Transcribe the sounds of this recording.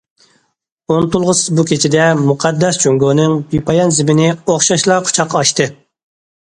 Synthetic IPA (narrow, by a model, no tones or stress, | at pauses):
ont̪ulˠʁəsɨzbukʲʰet͡ʃʰid̪ɛmuqʰɑd̪ːɛst͡ʃʰoŋɡonɨŋbipʰɑjɑnzɪmɪnɪoχʃɑʃlˠɑqʰʊ̥t͡ʃʰɑqːɑɑʃt̪ɨ